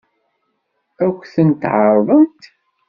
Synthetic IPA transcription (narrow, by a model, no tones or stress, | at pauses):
ækʷːθənt̪ʕəɾˤðˤənt̪